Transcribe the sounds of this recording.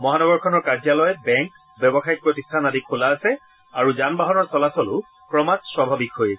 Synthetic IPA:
mɔɦanɔɡɔɹkʰɔnɔɹkaɹzjalɔjbɛŋk | bɛbɔxaik̚pɹotistʰanadikʰːolaːsɛ | aɹuzanbaɦɔnɔɹsɔlasɔlʊ | kɹɔmatswabʱabikɦojɛ

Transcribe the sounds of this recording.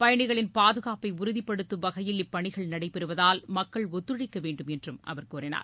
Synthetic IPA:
pɐjɐɳɪɣɐɭɪnpaːðɯɣaːpɐɪʊɾʊðipːɐɽɯt̪ːɯʋɐɣɐjɪlɪpːɐɳɪɣɐɭnɐɽɐɪpːɛɾɯʋɐðaːlmɐkːɐɭɔt̪ːɯɻɐɪkːɐʋeːɳɖɯmɛndrɯmʔɐ̰ʋɐɾkuːrɪna̰ːɾ

